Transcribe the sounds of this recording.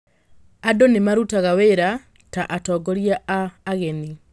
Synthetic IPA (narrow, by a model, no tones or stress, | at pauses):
adonemaɾutaɣaweɾa | taʔatɔːɡɔɾjaːɣɛni